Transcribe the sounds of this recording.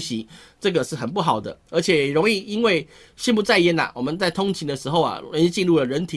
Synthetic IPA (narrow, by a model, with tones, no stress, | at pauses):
ɕi˧˦ʈ͡ʂɤ˥˩ɡə˩ʂɻ̩˥˩xə˨˩npu˥˩xɑ˨˩ʊd̪ə̰˦ə˧˥t͡ɕʰjɛ˨˩jɛ˨˩ɻo˧˦ŋi˥˩i˦˥nwe˥˩ɪ | ɕi˥˧npu˥˧t͡sa˥˧ɪjɛ˥na̰˨˩wɔ˨˩mə˨˦nt͡sa˥˩ɪt̪ʰʊ˥ŋt͡ɕʰi˧˥ŋd̪ə˧ʂɻ̩˧xo˥˧ʊɐ̰˩o˧˦ni˥˧t͡ɕi˥˧nɻu˥˩lə˩ɻə˧˦nt̪ʰi˨